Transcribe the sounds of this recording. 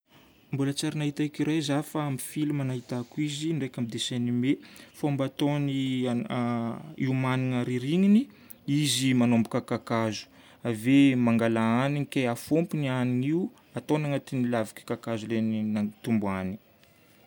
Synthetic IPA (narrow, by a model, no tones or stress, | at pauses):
mbulat͡saɾinaɦit̪aikiɾajzafaamifilumanaɦit̪akizinɖ͡ʐekʲambid̪esenimefombat̪oni | iumaniŋaɾiɾiŋini | izimanombukakakazu̥ | avemaŋɡalaaniŋikʲejafompinianiŋiu | at̪onaŋat̪inilavikʲi̥kakazuleninat̪umbuani̥